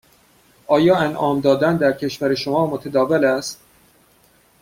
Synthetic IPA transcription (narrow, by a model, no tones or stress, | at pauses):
ʔɒːjɒːænʔɒːmd̪ɒːd̪ænd̪æɾcʰe̞ʃvæɾeʃomɒːmot̪ʰæd̪ɒːvelæst̪̚